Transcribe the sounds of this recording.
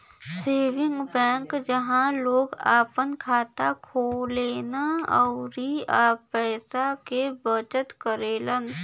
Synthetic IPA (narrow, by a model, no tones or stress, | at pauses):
seːʋɪ̃ŋɡbɛ̃ːŋkd͡ʒəɦãloːɡaːpənkʰaːt̪akʰoːleːnaəʊɾiaːpɛːsakebət͡ʃət̪kəɾeːlən